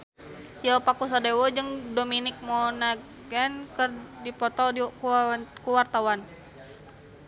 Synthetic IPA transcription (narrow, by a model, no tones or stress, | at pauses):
iapakus̬adewɔd͡ʒəŋdominɪk̚mɔna | ɡɛnkərdipɔt̪ɔ | kuwart̪awan